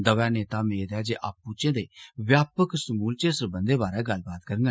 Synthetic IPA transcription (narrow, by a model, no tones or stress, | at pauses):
d̪əʋaːneːt̪aːmeːd̪ɛːd͡ʒeːʔaːpːũt͡ʃẽːd̪eːʋjaːpəksmuːlt͡ʃesəɾbə̃nd̪eːbaːɾɛːɡəlbaːt̪kəɾəŋɡ